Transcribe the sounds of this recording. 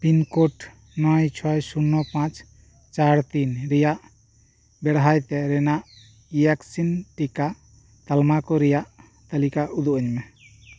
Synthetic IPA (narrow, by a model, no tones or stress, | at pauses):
pinkɔʈ | nɔjt͡ʃʰɔjsunːɔpãt͡ʃʰ | t͡ʃaɾt̪inɾɛjaʔ | bɛɽɦajt̪ɛɾɛnaʔ | ijaksinʈika | t̪almakɔɾɛjaʔ | t̪alikaʔud̪uʔəɲmɛ